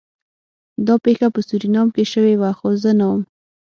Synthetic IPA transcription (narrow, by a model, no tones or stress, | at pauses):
d̪ɑpexapəsuɾinɑmkeʃəwewaxozənawəm